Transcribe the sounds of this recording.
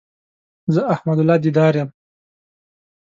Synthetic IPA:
zəahmad̪ʊlɑːd̪id̪ɑːɾjam

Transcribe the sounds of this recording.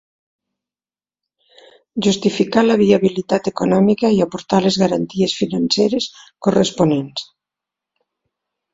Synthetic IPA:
ʒust̪ifikalaβiaβilit̪at̪ekonɔmikaiapoɾt̪alezɣaɾant̪iesfinanseɾeskoresponens

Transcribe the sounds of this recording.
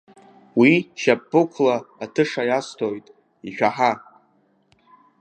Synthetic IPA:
wiʃapːɨkʷʰlaːtʰɨʂajastʰojtʼ | iʃᶣaħa

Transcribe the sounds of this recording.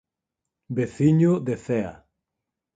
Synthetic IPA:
beθiɲod̪eθea̰

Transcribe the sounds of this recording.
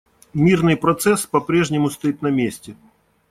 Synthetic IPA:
mʲirnɨjpɾɐt̪sɛspɐpɾʲeʐnʲɪmʊst̪ɐit̪nɐmʲesʲtʲɪ

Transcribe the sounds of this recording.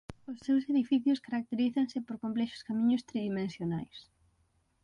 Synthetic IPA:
ʊsːewseðifiθjʊskaɾak̚t̪eɾiθaŋsɪpoɾkomplɛʃʊ̥skamĩɲʊst̪ɾiðimẽnsjonajs

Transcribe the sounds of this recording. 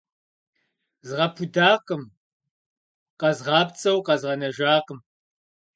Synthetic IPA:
zɨʁɐpʰudaːqʼəm | qɐzʁɑːpt͡sʼɐwqɐzʁɐnɐʒaːqəm

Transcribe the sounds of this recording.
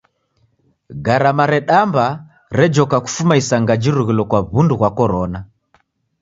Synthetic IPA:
ɡaɾamaɾɛɗamba | ɾɛd͡ʒɔkaku̥fumaisaŋɡad͡ʒiɾuɣilɔkwaβunduɣwakɔɾɔna

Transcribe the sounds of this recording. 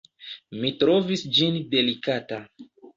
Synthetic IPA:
mitɾo̞visd͡ʒinde̞likata

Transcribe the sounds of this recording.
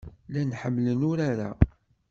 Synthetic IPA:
lænħəmːlənʊɾaɾa̰

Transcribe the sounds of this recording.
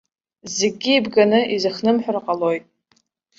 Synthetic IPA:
zeɡʲiːbɡanɨizɨχnɨmħʷᶣarqʼalojtʼ

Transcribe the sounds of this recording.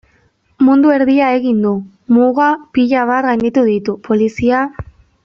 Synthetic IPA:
mund̪ue̞ɾðiae̞ɣind̪u | muɣapiʎaβ̞at̪ɣajnd̪it̪uðit̪upo̞lisia

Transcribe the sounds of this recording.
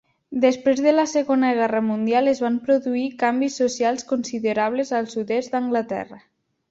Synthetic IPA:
d̪espɾezðələsəɣonəɣɛrəmund̪ijalˠezβampɾoðuikambisːosialˠskonsiðeɾaβ̞lezəlˠsuðɛsd̪əŋɡlət̪ɛ̰rə

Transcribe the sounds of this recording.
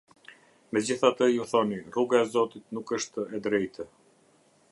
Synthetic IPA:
mɛd͡ʑiθat̪əjuθɔniruɡaɛzɔt̪it̪nukəʃt̪əɛd̪ɾɛjt̪ə

